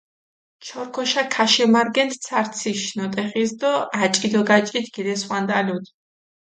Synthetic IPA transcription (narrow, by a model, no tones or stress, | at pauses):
t͡ʃʰɔɾkʰɔʃakʰaʃɛmaɾɡɛnt̪ʰsʰaɾt̪sʰiʃnɔt̪ʼɛχisd̪ɔat͡ʃʼid̪ɔɡat͡ʃʼit̪ʰɡ̥id̪ɛswand̪ʼalud̪ʰ